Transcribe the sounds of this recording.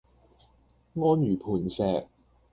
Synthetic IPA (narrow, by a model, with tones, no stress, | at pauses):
ŋɔː˥njyː˨˩pʰuː˨˩nsɛː˨k̚